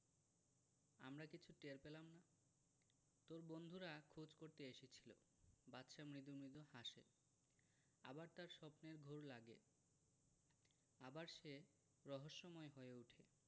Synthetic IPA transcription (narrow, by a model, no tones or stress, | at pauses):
a̰mɾakit͡ɕʰuʈeɾpelamna | t̪oɾbond̪ʱuɾakʰud͡ʑkoɾt̪eeʃit͡ɕʰi̥lo̰ | batːʃamɾid̪umɾid̪uhaʃḛ | a̰baɾt̪aɾʃɔpneɾɡʱoɾlaɡḛ | abaɾʃe | ɾɔɦoʃːɔmɔeɦoeeuʈʰe